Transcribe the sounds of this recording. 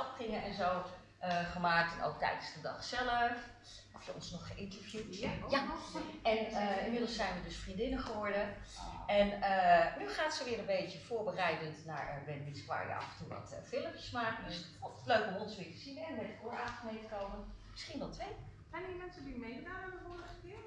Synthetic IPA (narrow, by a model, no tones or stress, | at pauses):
ɑpkrɪŋənɛnzow | əχəmaːk̚tɛnʔo̰wk̚tɛ̰jdənsdədɑ̰χsɛləf | ɔfjəɔ̰nsnɔχəʔɪntəɹvjujaɛnɪnmɪdəlˠssɛjnʋədɵsfrindɪnəχəʋɔɹdəɛnənyχaːtsəʋɪːrənbejcəv̥ʊːɹbərɛjdəntna̰ːɹɛ̰bɛnitskʋa̰ːɹjə̰ʔɑ̰fəntuʋɑ̰tfɪləmjə̥smaːkədəs | løɥkɔmɔnsʋɪːtə̥zinɛnmɛtəkʊːɹaːtəχmejtəkowmənmɪ̥sχinʋɛlˠtʋej | zɛjnimɛnsədimejnaːmənəvʊːrəχəkɪːɹ